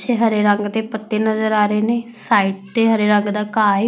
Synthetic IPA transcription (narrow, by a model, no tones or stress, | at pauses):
t͡ʃʰeːɦəɾeːɾəŋɡd̪eːpət̪ːeːnəzəɾaːɾeːneːsaːiːʈ̚d̪eːɦəɾeːɾəŋɡd̪aːkaː